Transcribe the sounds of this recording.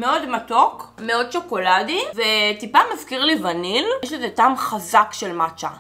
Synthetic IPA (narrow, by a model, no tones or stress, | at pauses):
meo̞dmatokmeo̞d̚t͡ʃoko̞ladivetipamazkiʁlivaniljeʃ̬lezetamχazakʃelmat͡ʃa